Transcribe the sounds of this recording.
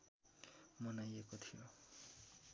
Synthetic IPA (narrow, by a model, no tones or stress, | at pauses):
mʌnajekot̪ʰijo